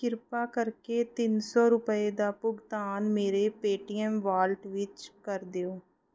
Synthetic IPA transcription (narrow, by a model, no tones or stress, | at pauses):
kɪɾpaːkəɾkeːt̪ɪnsɔːɾʊpəed̪aːpʊɡt̪aːnmeːɾeːpeːʈiːɛmʋaːlʈʋɪt͡ʃkəɾd̪eoː